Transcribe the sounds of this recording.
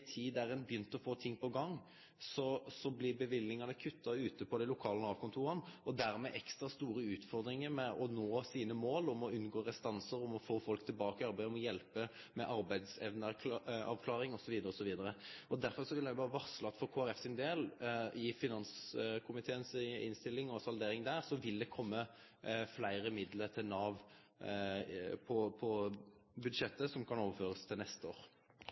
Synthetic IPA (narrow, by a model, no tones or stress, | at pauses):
t̪ʰiːd̪æɾɛnbjʏnt̪əɔfoːt̪ʰɪŋːpɔɡɑŋ | sɔsɔblɪbəʋɪlːɪŋɑnəkʰʉt̪ːɑʉːt̪əpɔd̪ɛɪlʊkʰɑːlənɑːʋkʰʊnt̪ʰuːɾɑnɔd̪æɾmɛʔɛkst̪ʁɑst̪uːɾəʉːt̪fɔʁd̪ɾɪŋəɾmɛɔnoːsiːnəmoːlʊmɔʉnɡoːɾɛst̪ɑnsəɾɔmɔfoːfɔlkt̪ʰɪlbɑːkəɑɾbæɪd̪ɔmɔjɛlpə | mɛʔɑɾbæɪd̪sɛʋnəɑ̰ʋkʰlɑːʁɪŋɔsɔʋiːd̪əɾəɔsɔʋiːd̪əɾəɔd̪æɾfɔʁsɔʋɪljæɪʊbɑːʁəʋɑʁslɑt̪fɔʁkʰoːæɾɛfsɪnd̪eːlɪfɪnɑnskʰʊmɪt̪ʰeːənsɪ̰nst̪ɪlːɪŋɔsɑld̪eːɾɪŋd̪æʁsɔʋɪld̪ɛkʰɔmːə | flæɪɾəmɪd̪ləɾt̪ʰɪlnɑːʋ | pʰɔpʰɔbʉd̪ʂɛt̪ːəsɔmkʰɑnoːʋəføːʁəst̪ʰɪlnɛst̪əoːɾ